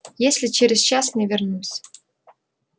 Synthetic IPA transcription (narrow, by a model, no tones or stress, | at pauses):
jesʲlʲɪt͡ɕeɾʲɪzt͡ɕasnʲevʲernusʲ